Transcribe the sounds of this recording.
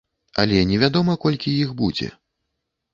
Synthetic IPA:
ɐ̰lʲɛnʲɛvʲad̪ɔmɐkɔlʲkʲijixbud͡zʲɛ̰

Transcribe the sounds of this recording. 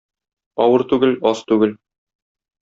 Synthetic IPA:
ɒwɤɾt̪ʉɡɘlɒst̪ʉɡɘl

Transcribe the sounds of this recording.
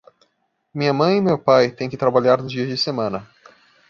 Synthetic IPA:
mĩɲɐmɐ̃j̃ɪmewpajt̪ẽj̃kɪt̪ɾabaʎaɾnʊzd͡ʒiɐzd͡ʒɪsemɐ̃nɐ

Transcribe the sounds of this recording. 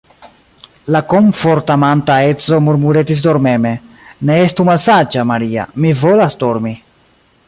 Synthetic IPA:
lakoɱfoɾtamantaet͡so̞muɾmuɾet̪is̬doɾmeme̞ | neest̪umalsad͡ʒamaɾia̰mivolasdoɾmi

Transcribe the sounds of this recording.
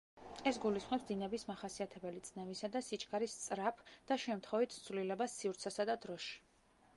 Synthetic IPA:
ɛsɡulisχmɛpsd̪inɛbismaχasiat̪ʰɛbɛlit̪sʼnɛvisad̪asit͡ʃʼkʰʼaɾist̪sʼɾapʰd̪̥aʃɛmt̪ʰχɔvit̪ʰt̪sʰvlilɛbasiuɾt̪sʰasad̪ad̪ɾɔʃi̥

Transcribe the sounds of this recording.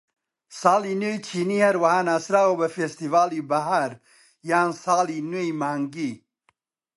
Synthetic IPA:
saːlinojt͡ʃʰiːnihɐɾwɐhanasɾaːwobɐfest̪ivaːlibɐɦaɾ | jaːnsaːlinojmaːŋɡi

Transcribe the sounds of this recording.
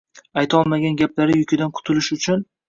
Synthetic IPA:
ajt̪ʰɒlˠmaɡʲanɡʲaplaɾɪjʊkʲʰɪd̪ankʰʊ̥t̪ʰɪlɪʃʊt͡ʃʰʊn

